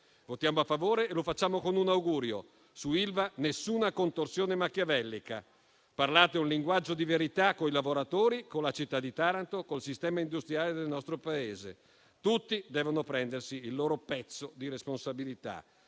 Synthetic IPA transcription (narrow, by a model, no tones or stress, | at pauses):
vot̪jaːmoafːavoːɾeːlofat͡ʃːaːmokonunawɡuːɾjo | suilvanesːuːnakont̪orsjoːnemakːjavɛlːika̰ | parlaːt̪eunliŋɡwad͡ʒːod̪iveɾit̪akːoilavoɾat̪oːɾikonlat͡ʃit̪ːad̪ːit̪aɾant̪okolsist̪ɛːmaind̪ust̪ɾijaːled̪elnɔst̪ɾopaeːzḛ | t̪ut̪ːid̪ɛːvonopɾɛnd̪ersiːlːoːɾopɛt̪sːod̪iɾesponsabilit̪a̰